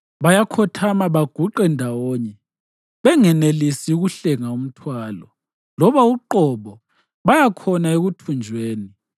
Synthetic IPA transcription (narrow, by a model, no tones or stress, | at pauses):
βajakʰɔtʰamaβaɡ̥ʱuǃɛndʱawoːɲɛ | βɛŋɛnelisiuɣuɬɛŋaum̩tʰwaːlɔ̰ | lɔβauǃɔβɔ | βajakʰɔnaeɣutʰund͡ʒʱweːni